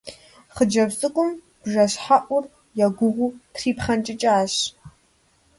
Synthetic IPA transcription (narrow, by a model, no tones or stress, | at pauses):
χəd͡ʒɐbsʼɨkʷʼʊm | bʒɐɕħaʔʷʼʊr | jaɡʷʊʁʷutʰriːpχɐnt͡ʃʼɪt͡ʃʼaaːɕ